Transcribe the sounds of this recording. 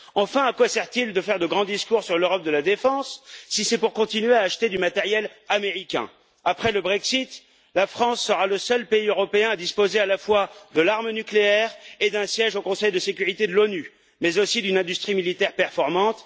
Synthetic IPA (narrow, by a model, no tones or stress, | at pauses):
ɑ̃fɛ̃akwasɛʁt̪ild̪əfɛʁd̪əɡʁɑ̃d̪iskuʁsyʁløʁɔp̚d̪əlad̪efɑ̃sːisɛpuʁkɔ̃t̪inɥeaːʃt̪ed̪ymat̪ɛʁjɛlameʁikʲɛ̰̃ | apχɛləbʁɛksit̪ | lafχɑ̃sːəʁaləsœlpeiøʁɔpeɛ̃ad̪ispozealafwad̪əlaʁmənykleɛʁed̪ɛ̃sjɛʒokɔ̃sɛjd̪əsekʲyʁit̪ed̪əlony | mɛzosid̪ynɛ̃d̪yst̪χimilit̪ɛʁpɛʁfɔʁmɑ̃t̪